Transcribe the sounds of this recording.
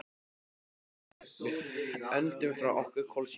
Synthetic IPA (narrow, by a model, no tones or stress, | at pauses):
ɪœnt̪ʏmfɾawʔɔhkʏɾ̥kʰɔls